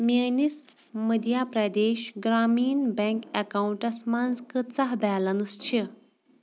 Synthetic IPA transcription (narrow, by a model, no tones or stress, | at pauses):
mʲenis | məd̪jaːpɾɐd̪eːʃɡɾaːmiːnbeŋkekauɳʈɐsmanzkɨt͡sɐɦbɛːlɐnɨst͡ʃʰi